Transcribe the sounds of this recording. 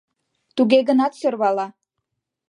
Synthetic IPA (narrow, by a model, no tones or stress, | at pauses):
t̪uɣeɣənɑt̪sørβɑlɑ